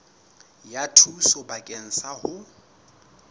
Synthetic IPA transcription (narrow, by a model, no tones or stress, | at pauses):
jatʰusʊbakʼen̩sahʊ